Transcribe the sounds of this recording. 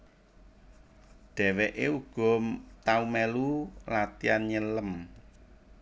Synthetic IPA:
ɖ̪̥ɛ̤wɛʔeuɡ̥ɔ̤t̪aumɛlulat̪ianɲələm

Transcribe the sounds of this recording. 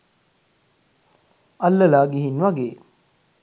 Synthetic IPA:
ɐlːəlaːɡiɦinʋaɡeː

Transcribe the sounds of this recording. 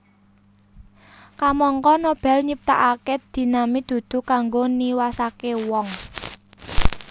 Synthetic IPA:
kamɔŋkɔnob̥ɛ̤lɲip̚t̪aʔaked̪̥i̤namid̪̥ṳd̪̥ṳkaŋɡoniwasakewɔŋ

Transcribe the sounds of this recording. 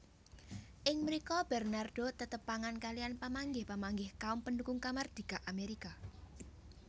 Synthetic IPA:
ʔɪŋməɾikɔbɛrnard̪̥ot̪ət̪əpːaŋankalijanpamaŋɡɪhpəmaŋɡɪhkaʊmpəndukʊŋkamard̪̥i̤ɡ̥aʔameɾika

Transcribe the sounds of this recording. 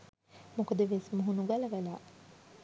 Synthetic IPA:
mukəd̪əʋesmuɦunuɡɐlɐʋælaː

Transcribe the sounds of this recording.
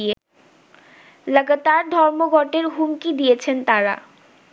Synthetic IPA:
e | ləɡat̪aɾd̪ʱɔɾmoɡʱɔʈeɾɦumkid̪ijet͡ɕʰent̪aɾa̰

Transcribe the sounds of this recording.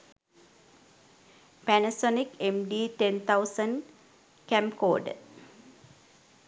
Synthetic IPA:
pænɐsonikemɖiːʈent̪ʰawsən | kæ̃mko̰ːɖ

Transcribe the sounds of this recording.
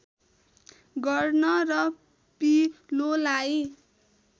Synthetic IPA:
ɡʌrnʌrʌ | pilolaj

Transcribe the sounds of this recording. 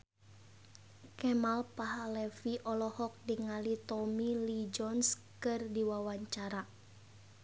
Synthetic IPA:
kɛmalpaɦalɛfiʔɔlɔhɔk̚diŋalit̪ɔmilid͡ʒɔns | kɨrdiwawaɲt͡ʃaɾa

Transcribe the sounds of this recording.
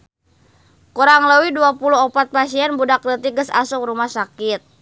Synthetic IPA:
kuɾaŋləwiduapuluɦɔpat̪̚pasiɛnbudaklət̪iɡəsa̰suŋrumahsakit̪̚

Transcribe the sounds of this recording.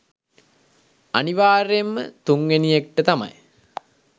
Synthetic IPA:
aniʋaːɾemːə̰t̪uŋʋenijek̚ʈət̪ama̰j

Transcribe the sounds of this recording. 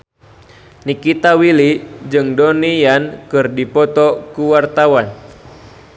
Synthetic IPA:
nikit̪awilid͡ʒɨŋdɔnijankɨrdipɔt̪ɔkuwart̪awan

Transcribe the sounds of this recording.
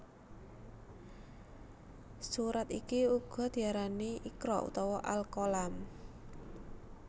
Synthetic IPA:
suɾat̪ikiuɡ̥ɔ̤d̪̥i̤aɾaniʔikɾɔ̰ʔṵt̪ɔwɔʔalkolam

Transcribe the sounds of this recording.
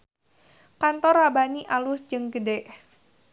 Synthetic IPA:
kant̪ɔrabaniʔalʊsd͡ʒɨŋɡədɛʔ

